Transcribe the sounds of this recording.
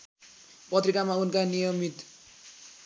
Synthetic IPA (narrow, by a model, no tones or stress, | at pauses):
pʌt̪rikamaunkanijʌmit̪